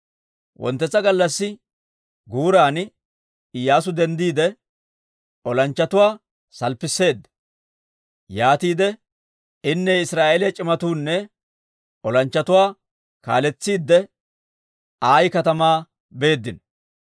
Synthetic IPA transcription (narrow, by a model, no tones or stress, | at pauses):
wʔɔ̰nt̪ːɛt͡sːɐɡɐlːɐsːɪ | ɡuːɾaːn | ɪjaːs̬ʊd̪ɛnd̪iːd̪ɛ | ʔɔlɐnt͡ʃːɐt̪ʊwaː | sɐlpːɪsːe̞ːd̪ːɛ | jaːt̪iːd̪ɛ | ɪnːɛɪsɾaːʔeːljɛt͡ʃʼɪmɐt̪uːnːɛ | ɔlɐnt͡ʃːɐt̪ʊwaː | ka̰ːlɛt͡sːiːd̪ːɛ | aːjkɐt̪ɐmaː | be̞ːd̪ːɪn